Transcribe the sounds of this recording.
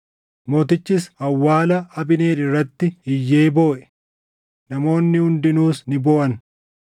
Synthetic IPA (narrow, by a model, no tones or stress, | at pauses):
mo̞ːt̪ɪt͡ʃːɪs̬ɐwːaːlɐɐbɪneːᶑɪrːɐt̪ːɪɪjːe̞ːbo̞ːʔɛ̥ | nɐmo̞ːnːɪhʊnd̪ɪnuːsnɪboːʔɐn